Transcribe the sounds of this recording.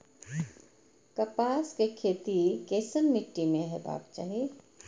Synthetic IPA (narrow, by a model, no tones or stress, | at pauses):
kɐpaːskekʰeːt̪ikeːsənmɪʈːimẽɦɛba̰ːb̚t͡ʃa̰ːɦie